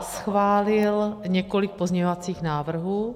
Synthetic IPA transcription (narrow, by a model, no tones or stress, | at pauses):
sxvaːlɪlɲɛkolik̚pozɲɛɲovat͡siːxnaːvr̩ɦuː